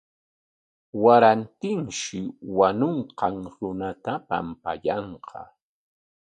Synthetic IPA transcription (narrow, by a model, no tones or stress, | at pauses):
waɾant̪ɪŋʃɪwanʊɴqɑŋɾʊnat̪apa̰mpajɑɴqʰɑ̰